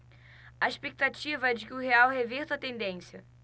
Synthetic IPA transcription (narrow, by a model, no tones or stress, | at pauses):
aeʃpek̚t̪at͡ʃivɐd͡ʒɪkɪʊɦeawheveɾt̪ʊɐt̪ẽnd̪ẽsjɐ